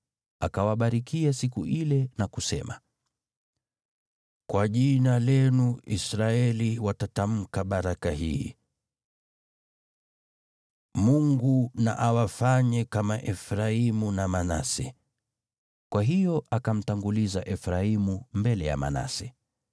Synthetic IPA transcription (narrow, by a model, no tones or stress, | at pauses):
akawaɓaɾikʰiasikuʔilɛnakusɛ̰ma̰ | kwaʄinalɛnuisɾaɛliwatatam̩kaɓaɾakahi | muŋɡuna̰ʔawafaɲɛkamaʔɛfɾaimunamana̰sɛ̰ | kwaɦijɔʔakam̩taŋɡulizaʔɛfɾaimumbɛlɛja̰ma̰na̰sɛ